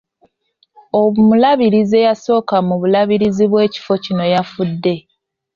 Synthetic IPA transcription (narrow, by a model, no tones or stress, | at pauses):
omulaβiɾize̞jaso̞ːkamuβulaβiɾiziβwe̞ːci̥fo̞cino̞jafudːe̞